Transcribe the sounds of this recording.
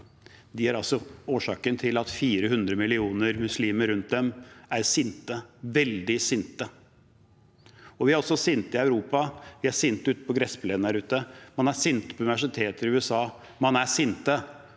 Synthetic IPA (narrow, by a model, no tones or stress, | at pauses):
d̪ɪjæɾɑlsɔoːʂɑːkənt̪ʰɪlɑt̪fiːɾəɦʉnd̪ɾəmɪlɪuːnəɾmʉsliːməɾʉnt̪̚d̪ɛmæɾsɪnt̪əʋɛld̪ɪsɪnt̪ə | ɔʋɪhɑɾɔsɔsɪnt̪ɪɑʉɾuːpɑʋɪhɑsɪnt̪ʉːt̪ə̥pɔɡɾɛspleːnæɾʉːt̪əmɑnæsɪnt̪ə̥pʰɔʉnɪʋæʂɪt̪ʰeːt̪əɾɪʉːɛsɑː | mɑnæsɪnt̪ə